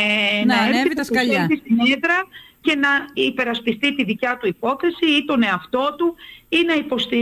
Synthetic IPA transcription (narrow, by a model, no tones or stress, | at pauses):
nɐeɾiɐsɐʎet̪ist̪ineðɾɐce̞nɐipe̞ɾɐspist̪it̪iðicɐt̪uipo̞θesiit̪o̞ne̞ɐft̪o̞t̪uinɐipo̞st̪i